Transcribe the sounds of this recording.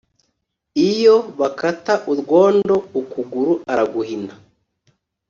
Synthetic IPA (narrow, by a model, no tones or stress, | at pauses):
ijoβakataʔuɾɡwo̞ːndo̞ukuɡuɾuʔaɾaɡuhinda